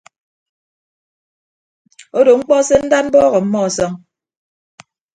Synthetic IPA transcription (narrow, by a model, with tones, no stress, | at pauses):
o˦do˨ŋ͡m̩˦k͡pɔ˦se˦n̩˦da˦n̩˦bɔː˦ɣɔ˨m̩˦mɔ˦˨sɔ˦ŋ